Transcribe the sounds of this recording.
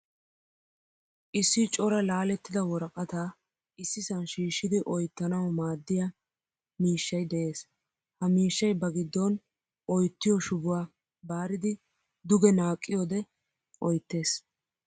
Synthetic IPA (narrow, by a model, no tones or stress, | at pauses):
ʔɪsːɪt͡ʃʼɔɾɐlaːlɛt̪ːɪd̪ɐwɔɾɐkʼɐt̪aː | ɪsːɪsɐnʃiːʃːɪd̪ɪʔɔjt̪ːɐnɐwmaːd̪ːɪjɐ | miːʃːɐjd̪ɛʔe̞ːs | hɐmiːʃːɐjbɐɡɪd̪ːɔn | ʔɔjt̪ːɪjɔʃʊbʊwaː | baːɾɪd̪ɪ | d̪ʊɡɛnaːkʼːɪjɔːd̪ɛ | ʔɔjt̪ːe̞ːs